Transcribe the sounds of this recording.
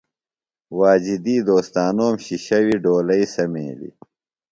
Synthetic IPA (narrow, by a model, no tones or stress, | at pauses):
waːd͡ʑid̪iːd̪oːst̪aːnoːmɕiɕɐwiɖoːlɐisɐmḛːlḭ